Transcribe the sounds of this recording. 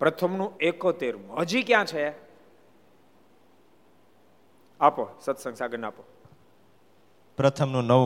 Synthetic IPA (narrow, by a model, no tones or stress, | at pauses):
pɾət̪ʰəmnũekot̪eɾməd͡ʒikjãt͡ʃʰe | aposət̪səŋsaɡənapo | pɾət̪ʰəmnũnə